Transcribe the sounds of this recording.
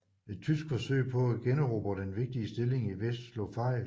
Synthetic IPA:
e̝d̥̚t͡sʰysɡ̥fɒ̽sø̰ɪ̰pʰɒ̽æɡ̥enʁɔb̥əd̥enʋe̝ɡ̥̚d̥iəsd̥e̝le̝ŋiʋesd̥slɔ̰fɑ̈ɪ

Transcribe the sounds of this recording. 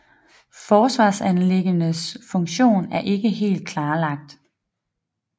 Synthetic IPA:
fɒːsʋɑ̰̈ːsænleɡ̥ənəsfɔ̽ŋɕo̝̰ːnæɐʔe̝ɡ̥əɦe̝̰ːld̥̚kʰlɑ̈ːlɑ̈ɡ̥̚d̥

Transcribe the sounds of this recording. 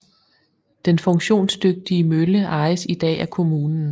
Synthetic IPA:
d̥enfɔ̽ŋɕo̝̰ːnsd̥øɡ̥̚d̥iəmøləʔɑ̈ɪəsid̥ɛ̰ːækʰo̝muːnn̩

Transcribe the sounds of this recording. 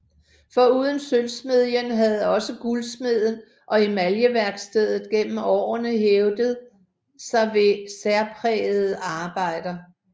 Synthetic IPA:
fɒ̽uːð̞ˠən̩sølsme̝ðˠjənɦæð̞ˠɒ̽səɡ̥ulsme̝ð̰ˠən̩ | ʔɒ̽imæljəʋæɐɡ̥sd̥eð̰ˠð̩ˠɡ̥en̰m̩ɒ̰ːɐnəɦeʊd̥əð̩ˠ | sɑ̈ɪʋe̝sæɐpʰʁɛːð̩ˠəɑ̈ːb̥ɑ̈ɪ̰d̥ɐ

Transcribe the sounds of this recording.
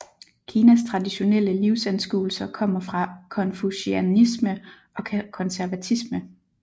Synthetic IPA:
kʰiːnæst͡sʰʁɑ̈diɕo̝nel̰əliʊsænsɡ̥uːl̩sɐkʰɒ̽m̰ɐfʁɑ̈kʰɒ̽nfuɕiænismə | ɒ̽kʰɒ̽nsæɐʋæt͡sʰismə

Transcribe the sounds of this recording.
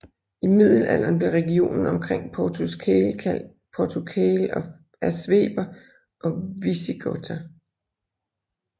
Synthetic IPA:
imið̞̰ˠl̩æl̰ɐnb̥liɐʁɛɡ̥io̝̰ːnn̩ɒ̽mkʰʁeŋ̰pʰɒt͡sʰuskʰelkʰæl̰d̥̚ | pʰɒt͡sʰukʰelɒ̽ | æsʋḛːb̥ɐ | ʔɒ̽ʋisiɡ̥ʰot͡sʰæ

